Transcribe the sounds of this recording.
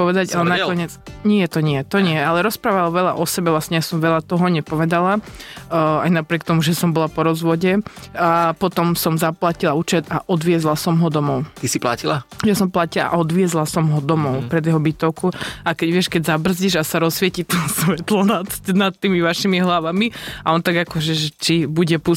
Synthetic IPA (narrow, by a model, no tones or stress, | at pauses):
pɔʋɛd̪aɟalɛnakɔɲɪɛt͡sɲɪɛt̪ɔɲɪɛt̪ɔɲɪɛalɛɾɔspɾaːʋalɔʋɛʎa̰ʔɔsɛbɛʋlasɲɛjasɔmʋɛʎat̪ɔɦɔɲɛpɔʋɛd̪ala | a̰jnapɾɪɛk̚t̪ɔmuʒɛsɔmbɔlapɔɾɔzʋɔɟɛapɔt̪ɔmsɔmzaplacilauːt͡ʃɛd̪aʔɔd̪ʋɪɛzlasɔmɦɔd̪ɔmɔʊt̪isipla̰cilajasɔmplacilaa̰ʔɔd̪ʋɪɛzlasɔmɦɔd̪ɔmɔʊpɾɛd̪jɛɦɔbit̪ɔʊkuakɛɟʋɪɛʃkɛɟzabr̩zɟiʒasaɾɔsʋɪɛcit̪ɔsʋɛt̪lɔnat̪nat̪t̪ːiːmiʋaʃimiɦlaʋamiaɔnt̪aɡakɔʒɛʒɛt͡ʃibuɟɛpu